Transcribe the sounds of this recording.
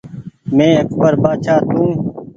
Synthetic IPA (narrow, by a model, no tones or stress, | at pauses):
mẽːəkʰbəɾbaːt͡ʃʰaːt̪ũː